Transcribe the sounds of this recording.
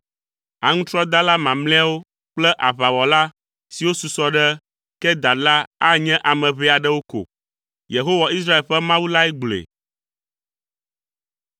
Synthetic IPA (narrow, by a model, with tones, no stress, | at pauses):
a˨ŋũ˦t̪ɾɔ˦d̪a˦la˦mã˨mlɛ̃˦a˦wo˦ | k͡plɛ˦ʔa˨βa˨wɔ˨la˦ | si˨wo˦su˨sɔ˦ɖɛ˦ | kɛ˦d̪a˨la˦a˦ɲɛ̃˦ʔa˨mɛ̃˨βɛ˦a˨ɖɛ˦wo˦ko̰˨ | je˨ɦo˦wa˨i˦sɾa˦e˨lɸɛ˦mã˦wu˦la˦ɛ˦ɡ͡blḛ˨